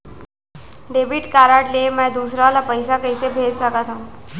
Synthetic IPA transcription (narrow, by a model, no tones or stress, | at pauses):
ɖeːbiʈkaːɾaːʈlemɛ̃d̪uːsɾaʋalapəɪsakəɪsebʱeːd͡ʒsəkat̪ɦaũ